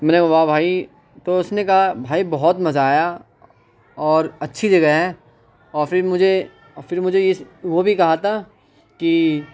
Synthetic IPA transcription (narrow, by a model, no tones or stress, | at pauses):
mɛ̃ːneʋaːbʱaːi | t̪oʊsnekɐɦabʱaːibɐɦɔt̪mɐzaːja | ɔːɾɐtːʃʰid͡ʒɐɡəɦɦɛ̃ | ɔːɾfɪɾmʊd͡ʒʱe | fɪɾmʊd͡ʒʱejeʋobʱikɐɦat̪ʰa | ki